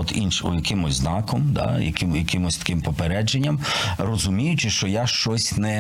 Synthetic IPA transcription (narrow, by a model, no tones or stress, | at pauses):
ɔt̪inʃjɐkɪmʊzʲznɑkɔmd̪ɑ̰jɐ̰kɪjɐkɪmʊsʲt̪ɐ̥kɪmpɔpeɾɛd͡ʒenʲːɐmrɔzʊmʲijʊt͡ʃɪʃt͡ʃɔjaʃt͡ʃɔsʲnɛ